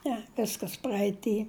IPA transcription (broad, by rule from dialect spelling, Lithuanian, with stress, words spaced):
ˈnʲɛ ˈʋʲɪskɐs prɐɛɪˈtʲiː